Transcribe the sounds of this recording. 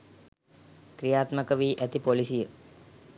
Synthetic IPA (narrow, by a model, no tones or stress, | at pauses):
krijaːt̪məkəʋiːʔæt̪ipolisijə